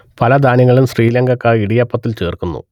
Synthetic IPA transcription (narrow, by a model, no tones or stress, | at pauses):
pɐlɐd̪ʱaːniɣɐɭumsriːlɐŋɡɐkːɐiɽijɐpːɐt̪ːilt͡ɕe̞ːrkunːṵ